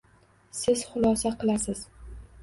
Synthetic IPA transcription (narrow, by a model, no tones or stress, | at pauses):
sɪz̥χʊlˠɒsaqʰɨlˠasɪz̥